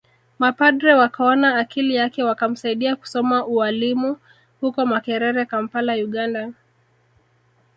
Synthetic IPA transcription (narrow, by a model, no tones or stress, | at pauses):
mapaɗɾɛwakaɔnaːkʰilijakɛwakam̩saiɗiaku̥sɔmaʔualimu | hukɔmakɛɾɛɾɛkam̩palajuɠanda